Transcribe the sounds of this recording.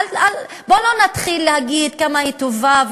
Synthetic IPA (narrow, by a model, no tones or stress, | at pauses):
al | bolo̞nat̪χilːehaɡid̪kamahit̪ovav